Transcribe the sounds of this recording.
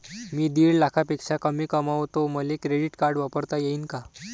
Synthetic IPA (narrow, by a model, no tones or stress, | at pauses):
miːd̪iːɽlakʰapikʂakəmiːkəmaʋt̪oməlekɾeɖiʈkaɾɖʋapəɾt̪ajeiːnka